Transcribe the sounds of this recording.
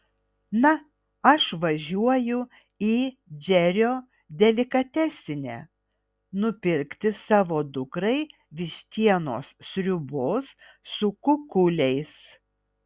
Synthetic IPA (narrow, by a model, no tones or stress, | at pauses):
nɐ | ɐʃʋɐʒʲuɔjʊ | iː | d͡ʒʲɛɾʲoː | d̪ʲɛlʲɪkɐt̪ʲæːsʲɪnʲæ̰ː | nʊpʲɪɾʲkt̪ʲɪsɑːʋoːd̪ʊkɾɐɪ | ʋʲɪʃʲt̪ʲiɛnoːssʲɾʲʊboːsː | ʊkʊkʊlʲɛɪs